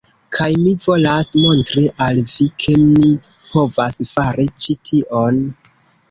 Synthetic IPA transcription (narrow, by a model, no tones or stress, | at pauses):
kʰajmivo̞lasmo̞ntɾiʔalvikʰe̞mi | po̞vasfaɾit͡ʃitʰiʔo̞n